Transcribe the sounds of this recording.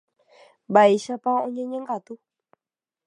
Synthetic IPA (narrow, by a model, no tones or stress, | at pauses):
baiʃapaõɲẽɲẽŋɡat̪u